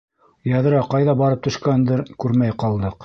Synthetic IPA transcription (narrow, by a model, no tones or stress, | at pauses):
jɑðɤ̆ɾɑqɑjðɑbɑɾɤp̚t̪ɵ̆ʃkænd̪ɘɾkʉɾmæjqɑlˠd̪ɤq